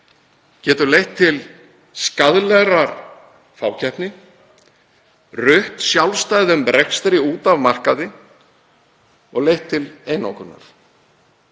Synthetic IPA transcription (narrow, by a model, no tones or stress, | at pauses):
cɛːt̪ʏɾlejht̪ʰːɪl | skaðlɛɣɾaɾ | faːwcʰɛhpnɪ | rʏht̪sjawlst̪aːjðʏmɾɛkst̪ɾɪuːt̪avmar̥kaðɪ | ɔɣlejht̪ʰːɪlejnawkʏna̰ɾ̥